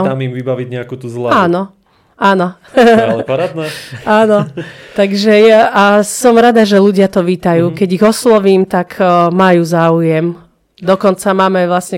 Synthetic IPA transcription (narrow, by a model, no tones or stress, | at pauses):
amimʋibaʋiɟɲɛakut̪uzlaaːnɔ | aːnɔ | lɾad̪nɛaːnɔt̪aɡʒɛjaʔasɔmɾad̪aʒɛluɟɪat̪ɔʋiːt̪ajuːkɛɟiɣɔslɔʋiːmt̪akmajuːzaːujɛm | d̪ɔkɔnt͡samaːmɛʋlasɲɛ